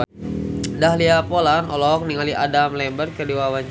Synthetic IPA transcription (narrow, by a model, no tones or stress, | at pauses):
dahliapolanɔ̰lɔk̚niŋaliʔadamlɛmbərkədiwawaɲ